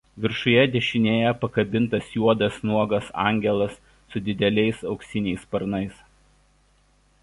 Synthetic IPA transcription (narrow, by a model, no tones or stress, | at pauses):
ʋʲɪɾʃʊjɛd̪ʲɛʃʲɪnʲeːjɛpɐkɐbʲɪnt̪ɐsjuɔd̪ɐsnuɔɡɐsɑ̰ˑŋʲɡʲɛlˠɐsː | ʊd̪ʲɪd̪ʲɛlʲɛɪsɒʊksʲɪnʲɛɪspɐɾnɐɪs